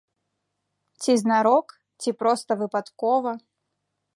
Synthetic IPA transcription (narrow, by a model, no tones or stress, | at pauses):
t͡sʲiznaɾɔk | t͡sʲipɾɔst̪ɐvɨpat̪kɔvɐ